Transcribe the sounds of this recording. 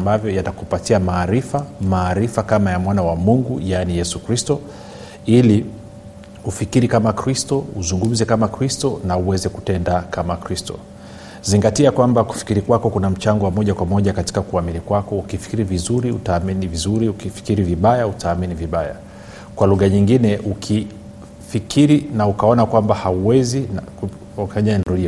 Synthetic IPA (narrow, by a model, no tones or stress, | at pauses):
mbavjɔjatakupatiamaːɾifamaːɾifakamajamwanawamuŋɡujanijɛsukɾistɔ | ili | ufikiɾikamakɾistɔuzuŋɡum̩zɛkamakɾistɔnauwɛzɛkutɛndakamakɾistɔ̰ | ziŋɡatiakwambaku̥fi̥kiɾikwakɔkunam̩t͡ʃaŋɡɔwamɔʄakwamɔʄakati̥kakuaminikwakɔukifi̥kiɾivizuɾiṵtaːminivizuɾiukifi̥kiɾiviɓajautaːminiviɓaja̰ | kwaluɣaɲiŋɡinɛʔukʰi | fikʰiɾinaukaɔnakwambahauwɛzinku | faɲaɛndɔiɔ